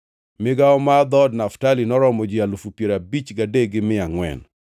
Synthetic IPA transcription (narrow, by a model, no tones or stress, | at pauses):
mɪɡaɔmad̪ɔdnaftalinɔɾɔmɔd͡ʒialufupjeɾabit͡ʃɡadeɡɪmɪaŋwɛ̰n